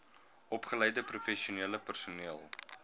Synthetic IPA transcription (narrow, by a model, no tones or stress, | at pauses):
ɔpχələjdəprufɛʃiuniələpərsuniəlˠ